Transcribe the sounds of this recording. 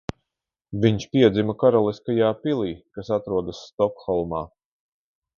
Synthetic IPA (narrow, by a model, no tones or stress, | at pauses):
viɲʃpiɛd̪zimakaɾɔlˠiskajaːpilˠiːkasat̪ɾuɔd̪asːt̪ɔkxɔlˠmaː